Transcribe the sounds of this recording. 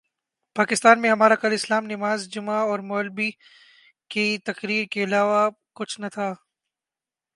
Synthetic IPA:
paːkɪst̪aːnmẽɦɐmaːɾakɐlɪslaːmnɪmaːzd͡ʒʊmaɔːɾmoːlbi | kit̪ɐqɾiːɾkeɐlaːʋa | kʊt͡ʃʰnɐt̪ʰaː

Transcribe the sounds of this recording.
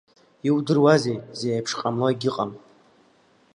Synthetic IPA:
iwdɨrwazejzeːjpʰʂqʼamloiɡʲɪqʼam

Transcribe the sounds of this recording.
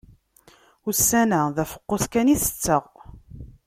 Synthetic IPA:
usːænæðæfə̥qːoθkæniθə̥t͡sːəʁ

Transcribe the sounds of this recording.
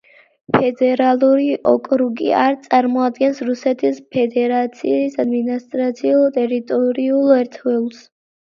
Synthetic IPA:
pʰɛd̪ɛɾalˠuɾiʔɔkʼɾuɡḭaɾt̪sʼaɾmɔad̪ɡɛnsɾusɛt̪ʰispʰɛd̪ɛɾat̪sʰḭsad̪minist̪ʼɾat̪sʰiulˠt̪ʼɛɾit̪ʼɔɾiulˠɛɾt̪ʰvɛlˠs

